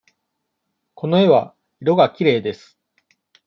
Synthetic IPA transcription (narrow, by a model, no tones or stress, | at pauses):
ko̞no̞e̞βa̰ | iɾo̞ɡakʲiɾe̞ːd̪e̞sɨ̥